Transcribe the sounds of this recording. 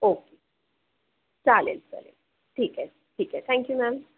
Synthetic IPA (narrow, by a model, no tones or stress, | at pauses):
oːke | t͡ʃalḛlt͡sa̰lḛl | ʈʰiːkɦɛ | ʈʰiːkɦɛt̪ʰɛ̃ŋkjumæ̃m